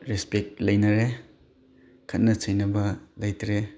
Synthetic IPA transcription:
ɾespek̚t̚lɐjnɐɾe | kʰɐt̚nɐt͡ʃʰɐjnɐbɐlɐjtʰɾe

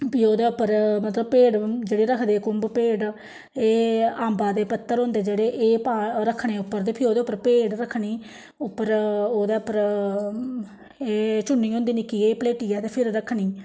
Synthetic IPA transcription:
pɪːoːd̪eːʊpːəɾmət̪ləb̚peːɖd͡ʒeːɽeːɾəkʰd̪eːkʊmbpeːɖ | eːaːmbaːd̪eːpət̪ːəɾɦõːnd̪eːd͡ʒeːɽeːʔeːpaːɾəkʰɽeːʊpːəɾt̪eːpʰɪoːd̪eːʊpːəɾpeːɖɾəkʰɳiː | ʊpːəɾoːd̪eːʊpːəɾ | eːt͡ʃʊɳːiːɦõːnd̪iːnɪkiːeːpəleːʈiːaːt̪eːpʰɪɾɾəkʰɳiː

